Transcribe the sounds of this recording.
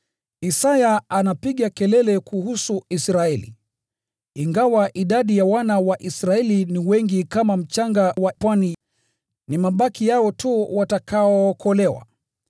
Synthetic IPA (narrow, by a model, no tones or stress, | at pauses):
isajaanapiɠakɛlɛlɛkuhusuisɾaɛlḭ | iŋɡawaʔiɗaɗijawanawaʔisɾaɛliniwɛŋɡikamam̩t͡ʃaŋɡawapwani | nimaɓakijaɔtuwatakaɔːkʰɔlɛwa̰